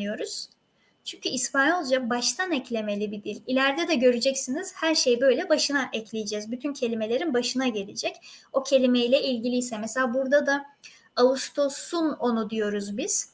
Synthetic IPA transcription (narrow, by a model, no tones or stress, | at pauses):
ɯjo̞ɾuz̥ | t͡ʃʰyɲcʰyispanolˠd͡ʒabaʃt̪ʰanɛclʲe̞me̞lʲibid̪ilʲilʲæɾd̪ɛd̪ɛɟø̞ɾyd͡ʒɛcsiniz̥hæɾʃe̞jbø̞jlʲɛbaʃɯnaʔɛclʲijed͡ʒɛzbyt̪ʰyncʰe̞lʲime̞lʲe̞ɾinbaʃɯnaɟe̞lʲed͡ʒɛco̞cʰe̞lʲimejlʲɛʔilʲɟilʲijsɛmɛselʲaːbuɾd̪ad̪a | aust̪ʰo̞suno̞nud̪ijo̞ɾuzbiz̥